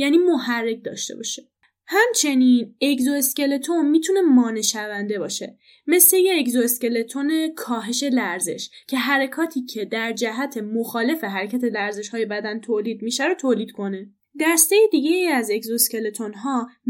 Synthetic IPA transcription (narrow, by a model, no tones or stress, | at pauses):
jæːniːmoɦærːe̞c̚d̪ɒ̰ːʃt̪e̞bɒ̰ʃe̥ | hæmt͡ʃʰe̞nine̞kzo̞esce̞le̞t̪ʰo̞nmiːt̪ʰune̞mɒːne̞ʃævænd̪e̞bɒːʃe̞̰ | me̞sle̞jeːczoesce̞le̞t̪ʰone̞kʰɒːɦe̞ʃe̞læɾze̞̰ʃcʰe̞ɦæɾekʰɒːt̪ʰiːcʰe̞d̪æɾd͡ʒæɦæt̪ʰe̞moxɒːle̞fe̞ɦæɾecʰæt̪ʰe̞læɾze̞ʃhɒːje̞bæd̪ænt̪ʰoːliːd̪̚miʃæɾot̪ʰoːliːd̪̥kʰo̞ne̞ | d̪æɾst̪e̞jid̪iɟeiæze̞kzoesce̞let̪ʰo̞nɦɒː